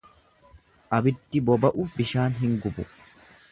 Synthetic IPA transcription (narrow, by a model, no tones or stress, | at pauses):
ʔɐbɪd̪ːɪbɔbɐʔʊbɪʃaːnɦɪŋɡʊbʊ